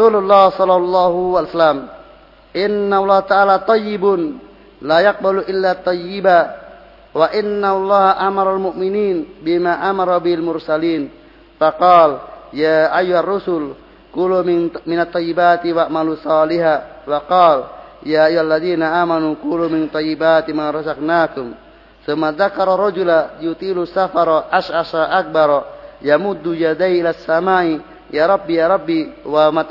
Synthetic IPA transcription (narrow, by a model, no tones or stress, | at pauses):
sululːahsɔlɑlˤːaɦuwalsalam | ʔinːaalˤːɑht̪aʔaːlat̪ˤɑjːibʊn | lajaq̚baluʔɪlːat̪ˤːɑjːiba | waʔinːalˤːɑhʔamɑɾˤalmuʔminiːnbimaʔamaɾˤabihalmʊrsaliːn | faqɑːljaʔajːuharːusʊl | kulumɪminat̪ˤːɑjːibaːt̪iwaʔmalusɑːliɦawaqɑːljaʔajuhalːaðiːnaʔaːmanukulumɪnt̪ːˤɑjːibaːt̪imaɾˤɑzaknaːkum | θumːaðakɑɾˤɔɾˤɑd͡ʒulajut̪ilusafɑɾˤɔʔaʃʔaʃaʔak̚baɾˤɔjamud̪ːujad̪ajʔilasːamaːʔi | jaɾˤɑbːijaɾˤɑbːiwama